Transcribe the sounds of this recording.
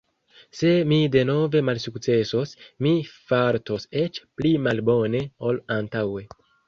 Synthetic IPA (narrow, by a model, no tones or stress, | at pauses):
se̞mide̞no̞ve̞malsukt͡se̞so̞smifaɾto̞se̞t͡ʃplimalbo̞ne̞o̞lantawe̞